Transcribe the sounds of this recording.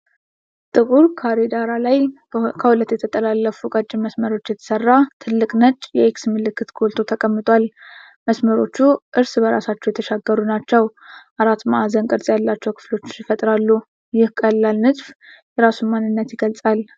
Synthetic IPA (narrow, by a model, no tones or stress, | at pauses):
t̪ʼɨkʼuɾkʰaɾed̪aɾalaj | kʰəhulət̪ːjɛt̪ʰət̪ʼəlalːəfukʼət͡ʃʼːɪməsməɾo̞t͡ʃːjɛt̪ʰə̥sərːat̪ʰɨlːɨkʼnət͡ʃʼjɛeksmɨlɨkʰːɨt̪ɡʰo̞lt̪ʰo̞t̪ʰəkʼəmːɨt̪ʼʷal | məsməɾo̞̰t͡ʃːuʔɨɾsbəɾasat͡ʃːɛwjɛt̪ʰəʃaɡːəɾunat͡ʃːɛw | ʔaɾat̪maʔazənkʼɨɾsʼjalːat͡ʃːɛwkʰɨ̥flo̞t͡ʃːɪfət̪ʼɾalːu | jɪhkʼəlːalnɨzʼfjɛɾasummanːɨnːət̪jɪɡəlt͡sʼal